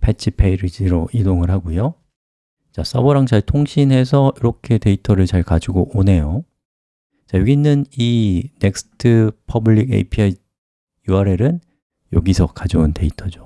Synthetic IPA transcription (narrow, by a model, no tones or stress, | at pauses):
pʰet͡ɕʰipʰeiɾid͡ʑiɾoʔidoŋɯɭɦaɡojo | t͡ɕas͈ʌboɾaŋt͡ɕaɭtʰoŋɕʰinɦe̞sʰʌiɾʌkʰe̞te̞itʰʌɾɯɭt͡ɕaɭkad͡ʑiɡoʔone̞jo | t͡ɕajoɡinːɯnine̞k̚sɯ̥tʰɯpʰʌbɯʎːiɡḛipʰia | juaɾe̞ɾɯn | joɡisʰʌkad͡ʑounte̞itʰʌd͡ʑo